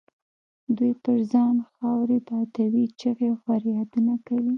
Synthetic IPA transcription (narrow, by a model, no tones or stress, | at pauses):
d̪ujpəɾzɑnxɑwɾebɑt̪awit͡ʃəɣexaɾjɑd̪ənakawi